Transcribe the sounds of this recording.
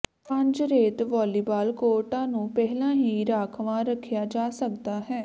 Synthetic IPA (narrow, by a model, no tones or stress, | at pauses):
pə̃ɲd͡ʒɾeːt̪ʋɔːliːbaːlkoːʈãːnũːpɛɦlãːɦiːɾaːkʰʋãːɾəkʰːjaːd͡ʒaːsək̚d̪aːɦɛː